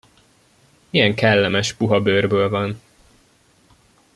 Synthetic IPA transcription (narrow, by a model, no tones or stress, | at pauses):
ijɛŋkɛlːɛmɛʃpuɦɒbøːrbøːlvɒn